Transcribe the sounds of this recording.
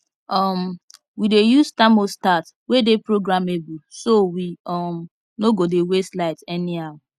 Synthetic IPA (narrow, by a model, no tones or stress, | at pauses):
ɔm | widejustãmostat | wedepɹoɡɾamebusowiɔm | noɡodeweslaɪtɛniaw